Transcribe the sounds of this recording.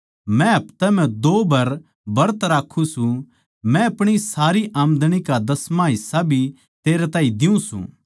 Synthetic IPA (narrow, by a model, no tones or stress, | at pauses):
mɛ̃ɦɐpt̪ɛmɛ̃d̪oːbɐɾ | bɐɾət̪ɾaːkʰːũsũ | mɛ̃ɐpɽ̃isaːɾiʔaːmd̪ɽ̃ikad̪ɐsmãɦɪsːabʱi | t̪eːɾɛt̪aːĩd̪ɪũsṵ̃ː